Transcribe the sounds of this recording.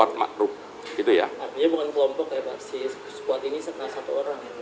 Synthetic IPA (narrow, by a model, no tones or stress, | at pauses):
at̪̚ma̰ʔɾʊp̚ | ɡit̪ujaaiɲabukankəlɔmpɔkjapa̰ʔsi | sə̥kuat̪inisək̪ŋasat̪uoɾaŋja